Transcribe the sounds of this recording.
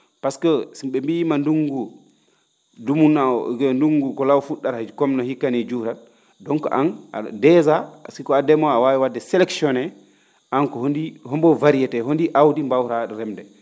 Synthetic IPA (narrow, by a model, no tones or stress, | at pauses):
paskɔsiɓɛmbijimanduŋɡu | dumunaɔ̰ɡnduŋɡukɔlawfuɗːaɾhad͡ʒikɔmnɔhikːanid͡ʒuɾal | dɔŋkɔ̰ʔana̰dɛzasikɔadɛmɔawawiwadːɛsɛlɛksiɔnɛ | ʔankɔhondihɔmbɔvaɾijɛtɛɦondiʔawdimbawɾaɾɛmdɛ